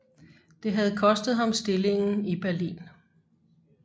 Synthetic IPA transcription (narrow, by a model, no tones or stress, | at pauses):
d̥e̝ɦæð̞̩ˠkʰɒ̽sd̥ð̞̩ˠɦɑ̈msd̥e̝le̝ŋn̩ib̥æɐlḭːn